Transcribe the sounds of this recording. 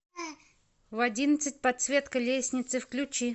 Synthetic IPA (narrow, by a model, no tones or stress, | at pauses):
vɐdʲinət̪sɨt̚ʲpɐt̪svʲe̞t̪kəlʲesʲnʲɪt̪sɨfklʲʊt͡ɕi